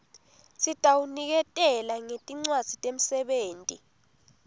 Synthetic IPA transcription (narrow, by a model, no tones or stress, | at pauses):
sitʼawunik̬ɛtʼɛlaŋetʼiŋ͡ǀwad̥z̥ʱitʼem̩sɛɓeːntʼi